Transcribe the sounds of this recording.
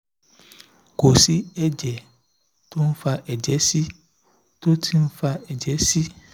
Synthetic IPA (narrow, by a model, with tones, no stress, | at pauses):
ko˨si˨˦ɛ˦d͡ʒɛ˨ | to˦n̩˦fa˧ʔɛ˨d͡ʒɛ˨˦si˦ | to˦tʰi˦n̩˦fa˧ɛ˨d͡ʒɛ˨˦si˦